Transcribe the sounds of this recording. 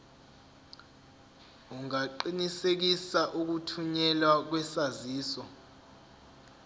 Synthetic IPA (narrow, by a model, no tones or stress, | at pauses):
uŋaǃinisek̬isaʔuk̬utʰuɲɛlwak̬wɛsaziːsɔ